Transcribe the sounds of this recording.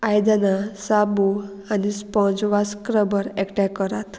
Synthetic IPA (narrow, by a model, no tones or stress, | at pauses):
ajd̪anasabu | anispɔ̃d͡zʋaskɾəbəɾɛkʈɛkːəɾat̪